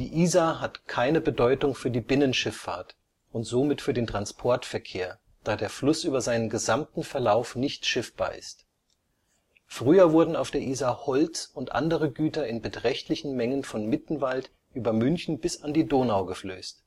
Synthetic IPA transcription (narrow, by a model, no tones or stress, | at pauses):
d̥ḭːʔiːzaːɦatkʰaɪnəbədɔʏtʊŋfyːɐdiːbɪnənʃɪfːa̰ːɐt | ʔʊntz̥oːmɪtfyːɐdeːntʁ̥anspʰɔɐtfɛɐkʰeːɐ | d̥aːdeːɐflʊsʔyːbɐzaɪnənɡəzamtn̩fɛɐlaʊfnɪçtʃɪfb̥a̰ːɐʔɪ̰st | fʁ̥yːɐvʊɐdn̩a̰ʊfd̥eːɐʔiːzahɔlt͡sʊntʔa̰ndəʁ̞əɡyːtɐɪnbətʁ̥ɛçtlɪçn̩mɛŋənfɔnmɪtn̩valt | ʔyːbɐmʏnçn̩bɪsandiːdoːnaʊɡəflø̰ːst